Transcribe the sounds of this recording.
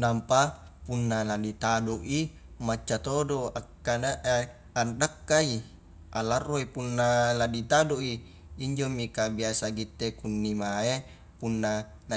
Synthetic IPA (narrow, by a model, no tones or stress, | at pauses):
nampa | punːaladit̪adoʔi | mat͡ʃːat̪odoakːanaʔe | andakːai | ʔalarːoipunːaladit̪adoʔiː | ɲd͡ʒomikabiasaɡit̪ːekunːimae | punːa | la